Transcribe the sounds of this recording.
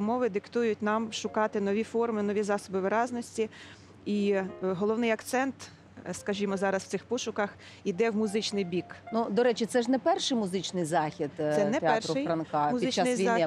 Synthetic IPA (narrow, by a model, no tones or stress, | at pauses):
mɔʋɪd̪ɪkt̪ujʊtʲnɑmʃʊkɑt̪ɪnɔʋʲifɔrmɪnɔʋʲizɑsɔbɪʋɪɾɑznɔsʲtʲi | iɦɔlˠɔwnɪjɐkt̪sɛnt̪ | skɐʒʲimɔzɑɾɐsw̥̪sɪxpɔʃʊkɐx | id̪ɛwmʊzɪt͡ʃnɪjbʲiknud̪ɔɾɛt͡ʃɪt̪sɛʒnɛpɛrʃɪjmʊzɪt͡ʃnɪjzɑxʲid̪sɛnɛt̪ɛrɪjɾɐnkɑmʊzʲiɪt͡ʃːanɪjʋiɑ